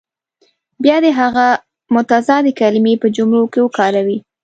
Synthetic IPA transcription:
bjɑd̪eɦaɣa | mʊt̪azɑd̪ekalɪmepəd͡ʒʊmɾokewəkɑɾawi

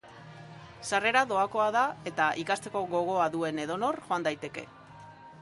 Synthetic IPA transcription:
sare̞ɾaðo̞ako̞aðae̞t̪aʔikast̪e̞ko̞ɣo̞ɣ̞o̞aðue̞ne̞ð̞o̞no̞rʝo̞and̪ajt̪e̞ke̞̰

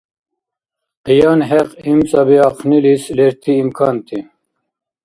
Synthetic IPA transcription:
qijɑːnɦɛqimt͡sʼɐbiɑqʰnilisleɾt̪ʰiːmkʰɑːnt̪ʰi

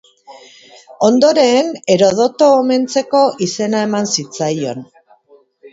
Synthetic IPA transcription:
o̞nd̪o̞ɾe̞ːne̞ɾo̞ðo̞t̪o̞ːme̞nt͡se̞ko̞ʔise̞nae̞mansit͡sajo̞n

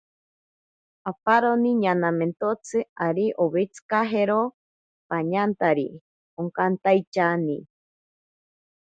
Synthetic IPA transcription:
apaɾoniɲanament̪ot͡sʰɨaɾiʔoβet͡sɨ̥kaɦeɾo | paɲant̪aɾḭ | oŋkant̪ajt͡ʃani

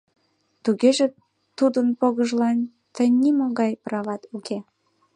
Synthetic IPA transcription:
t̪uɣeʒe | t̪ud̪ənpoɣəʒlɑn | t̪əjnimoɣɑjprɑβɑt̪ukʰe

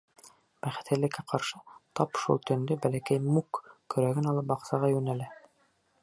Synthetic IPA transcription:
b̥æχɘ̆t̪ɘ̆lːɘ̆kːæqɑɾʃɤt̪ɑpʃṵlˠt̪ɵ̆nd̪ɵbælækæjmukkːɵ̆ɾæɡɘnɑlˠɤp̚bɑqsɑʁɑjʉnælæ

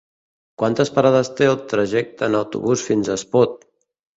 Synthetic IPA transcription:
kwant̪əspəɾaðəst̪eəlˠt̪ɾəʒɛk̚t̪əːnəwt̪ṵβusfinzəspɔt̪̚

